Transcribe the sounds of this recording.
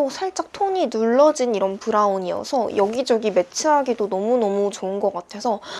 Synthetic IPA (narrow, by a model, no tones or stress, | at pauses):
osʰaɭt͡ɕ͈ak̚tʰoɲinuɭːʌd͡ʑiniɾʌnpuɾaoɲiʌ̰sʰʌjʌɡid͡ʑʌɡime̞t͡ɕʰɯɦaɡidonʌmunʌmut͡ɕoɯnɡʌk͈atʰe̞sʰʌ